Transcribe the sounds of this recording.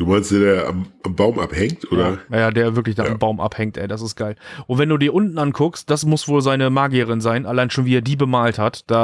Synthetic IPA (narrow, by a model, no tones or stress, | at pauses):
d̥uːmaɪnstd̥eːɐdeːɐa̰mʔambaʊmʔa̰phɛŋtʔoːɾɐajaːdeːɐvɪɐklɪçd̥aːʔambaʊmʔa̰phɛŋtʔɛ̰ɪdas̬ɪst̚ɡ̥aɪlʔʔʊntv̥ɛnduːdiːɐʔʊntn̩ankʰʊkst̚d̥asmʊsv̥oːlzaɪnəmaːɡiəʁ̞ɪnzaɪnʔalaɪnʃoːnviːɛːɐdiːbəmaːlthatd̥aː